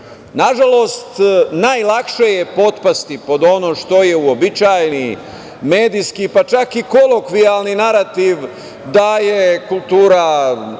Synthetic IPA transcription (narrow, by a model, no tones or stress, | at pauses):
naʒalo̞st̪najlakʃejepo̞t̪past̪ipo̞d̪o̞noʃt̪o̞je̞uobit͡ʃajni | meːd̪ijskipat͡ʃakiko̞lo̞kʋialninaɾat̪iʋ | d̪aje̞kulˠt̪uːɾa